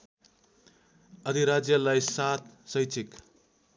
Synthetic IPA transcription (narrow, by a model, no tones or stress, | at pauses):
ʌd̪ʱiɾad͡zjʌlajsat̪sʌjt͡sʰik